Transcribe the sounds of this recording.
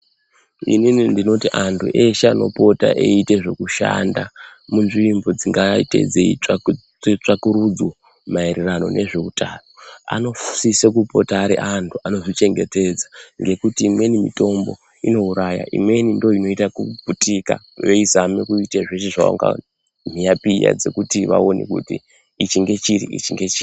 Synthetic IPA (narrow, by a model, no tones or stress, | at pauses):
ḭninindino̞tiʔantʰṵʔeʃeano̞̰po̞ta̰ʔḛiteʐo̞kuʃa̰ndamunʐiimbo̞d͡ziŋɡaite̞̰d͡zei | et͡ʂakuɾud͡zwo | maeɾerano̞̰ne̞ʐe̞utʰaːnoa̰no̞fsisekupo̞taːɾḛʔantʰuʔano̞ʐit͡ʃe̞ŋɡe̞te̞d͡zaŋɡe̞kutiːmwe̞nimḭto̞mbo̞̰ | ino̞uɾaja̰ʔḭmwe̞nindo̞ino̞itakuputika̰ | ʋeizamekuiteʐeʃeʐao̰ŋɡa̰ | m̤ijapija̰d͡ze̞kutiʋa̰o̞nḛkṵti | it͡ʃiŋɡe̞t͡ʃirḭʔḭt͡ʃiŋɡet͡ʃiri